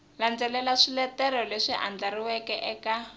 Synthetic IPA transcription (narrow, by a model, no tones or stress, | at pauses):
land͡zɛlɛlaʂilɛtɛɾɔleʂiʔa̰nd͡ɮaɾiwɛkɛʔɛka